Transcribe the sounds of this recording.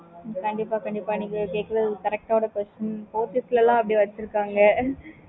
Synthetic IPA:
kɐɳɖɪpːaːkɐɳɖɪpːaːniŋkɐkeːkːɐɾɐðkɐɾɛk̚ʈaːʋɽɐkʋɛsʈɐnpoːt̪ɪslɐlãːɐpːɐɽiʋɐt͡ʃːɪɾɯkːaːŋɡɐ

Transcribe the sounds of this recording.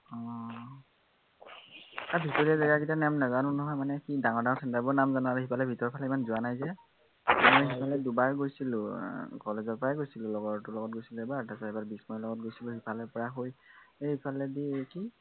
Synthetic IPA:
ɔ | aɹbʱitoɹiɛzaɡakitanɛmnazanʊ̃nɔɦɔjmanɛkidaŋɔɹdãŋɔɹsʰɛntabɔɹnamzanalɦipʰalɛbʱitɔɹpʰalɛimanzʊanajzɛ | mojɦipʰalɛdubaɹɡojsilʊ̃kɔlezɔɹpɔɹaɡojsilʊlɔɡɔtʊlɔɡɔt̚ɡojsilʊɛbatasɔebaɹbismɔilɔɡɔt̚ɡojsilʊɦipʰalɔpɔɹaɦojehipʰalɛdiki

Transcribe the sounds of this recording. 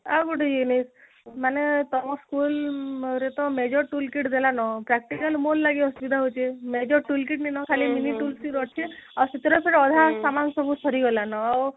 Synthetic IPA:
awboʈɔjunis | manet̪ɔmɔskulɾet̪ɔmed͡ʒɔɾʈulkiʈd̪elanɔpɾak̚ʈikəlmolːaɡiɔsbid̪ʱaɦot͡ʃʰemed͡ʒɔɾʈulkiʈninɔkʰaliminiʈulsiɾɔʈʰeawsit̪ɾɔsʰeɾɔd̪ʱasamansɔbʱusʰɔɾiɡɔlanɔaw

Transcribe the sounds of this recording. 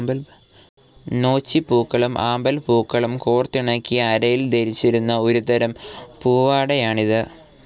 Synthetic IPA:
bɐl | no̞ːt͡ɕːipuːkːɐɭɐmʔaːmbɐlpuːkːɐɭɐmkoːrt̪ːiɳɐkːijɐːɾɐjild̪eɾit͡ɕːiɾunːɐo̞ɾut̪ɐɾɐmpuːʋaːɽɐjaːɳiðɨ

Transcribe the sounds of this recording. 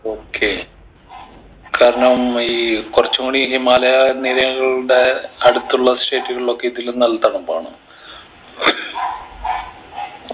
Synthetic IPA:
o̞ːkʰːe | kaːɾɐɳɐmiːkurɐt͡ɕːumuːɳiɦimaːlɐjaniɾɐjɐɣɐɭɽe̞ɐɽut̪ːuɭːɐsʈe̞ːʈːuɣɐɭiɭo̞kːeiðilnɐlːɐt̪ːaːɳumba̰ːɳɨ̰

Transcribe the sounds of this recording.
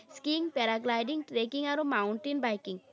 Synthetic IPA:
skiŋpɛɾaɡlajɖiŋʈɾekiŋaɾumawɳʈinbajkiŋ

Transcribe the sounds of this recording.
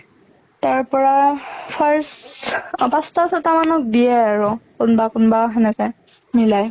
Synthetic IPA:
taɹpɔɹapʰaɹs | bastasʰɔtamanɔk̚dijɛaɹʊkʊnbakʊnbaɦɛnɛkɛ | milaj

